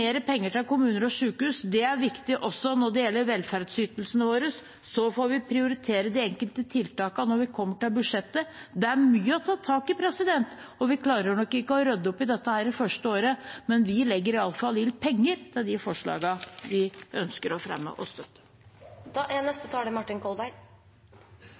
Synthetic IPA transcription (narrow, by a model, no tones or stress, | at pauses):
eːɾəpʰɛŋːəʈɪlkʊmʉːnəɾɔʂʉːkʉːsd̪ɛæɾʋɪkt̪ɪʔɔsːɔnɔɖɛjɛlːəɾʋɛlfæɾɖsyːt̪əlsənəʋoːɾəsː | ɔfoːɾʋɪpʰɾɪʊɾɪt̪ʰeːɾəd̪ɛɛŋkəlt̪ət̪ʰɪlt̪ɑːkɑnɔɾʋɪkʰɔmːəʈɪlbʉd̪ʂɛt̪ːəd̪ɛæmyːəɔt̪ʰɑːt̪ʰɑːkɪpʰɾɛsɪd̪ɛnt̪ | ɔʋɪkʰlɑːɾəɳɔkːɪkːəɔɾœd̪ːɔpːɪd̪ɛt̪ːəhæːɾɪfœʂʈəoːɾəmɛnʋɪlɛɡːəɾɪɑlːfɑlɪlpʰɛŋːəɾt̪ʰɪld̪ɪfɔʂɭɑ̰ːɡɑʋɪʔœnskəɾɔfɾɛ̰mːə̰ʔɔst̪œt̪ːə̥ | ʔɛnɛst̪ət̪ʰɑːɖɛmɑʈːɪnkʰɔlbæɪ